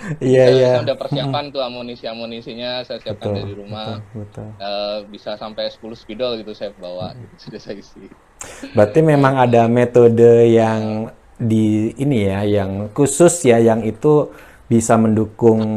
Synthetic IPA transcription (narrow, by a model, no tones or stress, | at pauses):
ijajaudapərsiapant̪uamonisiamonisiɲasajasiataʊldiɾumaʊlbət̪ʊləbisasampajsə̥kulʊsbidɔlɡit̪usajapəbawa̰ɡit̪u̥sud͡ʒasaisi | bət̪imemaŋadamet̪odəjaŋ | diːnijajaŋkusʊsjajaŋit̪u | bisaməndukʊŋ